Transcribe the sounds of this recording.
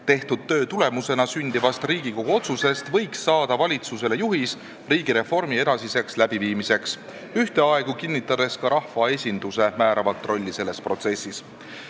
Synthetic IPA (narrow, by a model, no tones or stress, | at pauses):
t̪e̞ht̪ud̪̥̚t̪ːø̞ːt̪ule̞muse̞nɑsynd̪̥ivɑst̪riːɡ̥iko̞ɡ̥uo̞t̪suse̞st̪vɤ̞jksːɑːd̪̥ɑvɑlʲit̪sus̬e̞le̞juɦis | riːɡ̥iɾe̞fo̞rmie̞d̪̥ɑsise̞kslæb̥iviːmise̞ks | yht̪e̞ɑe̞ɡ̥ukinʲːit̪ːˑɑd̪̥e̞skɑɾɑhvɑe̞sʲind̪̥use̞mæːɾɑvɑt̪ːˑro̞lʲːise̞lːe̞spro̞t̪se̞sʲːis